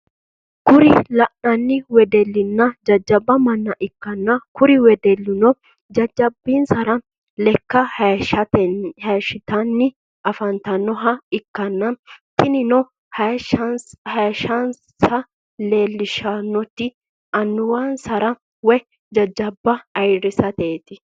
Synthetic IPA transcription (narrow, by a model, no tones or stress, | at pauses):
kʊɾɪlɐʔɐnːɪwɛd̪ɛlːɪnːɐd͡ʒɐd͡ʒːɐbːɐmɐnːɐʔɪkːɐnːɐkʊɾɪwɛd̪ɛlːɪnɔ | d͡ʒɐd͡ʒɐbːiːnsɐɾɐ | lɛkːɐhɐt̪hɐʃɪt̪ɐnːɪ | ʔɐfɐnt̪ɐnːɔɦɐɪkːɐnːɐnt̪ɪnɪnɔ | hɐʃɐn | sɐ | le̞ːlːɪʃɐnːɔt̪ːɪ | ɐnːʊwaːnsɐɾɐ | wɛ | d͡ʒɐd͡ʒɐbːɐɐjɾɪsɐt̪eːt̪ɪ